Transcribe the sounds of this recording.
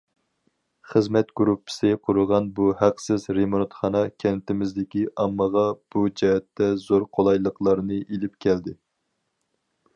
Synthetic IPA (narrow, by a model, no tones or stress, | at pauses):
χəzmɛt̪ɡ̥uɾupʰːɨ̥sɨqʰʊɾʊʁɑnbuhæqsɪzɾemont̪χɑnɑkʲʰɛnt̪ɪmɪzd̪ɪkʲiʔɑmːəʁɑb̥ud͡ʒɛɦɛt̪ːɛzoɾqʰolˠɑjlˠəqlˠɑɾnɨʔelɪpkʲʰɛld̪ɪ